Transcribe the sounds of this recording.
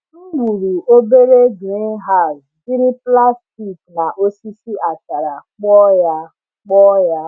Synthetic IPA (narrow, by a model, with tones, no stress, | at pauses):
ŋ͡m̩˦ɡ͡bu˨ɾu˨o˦be˦ɾe˦ɡi˨˦ɦa˦˨ɾdi˦ɾi˦pla˦sti˦˨kna˨ʔo˦si˦si˦a˨t͡ʃa˨ɾa˨k͡pɔ˦ja˦ | k͡pɔ˦ja˦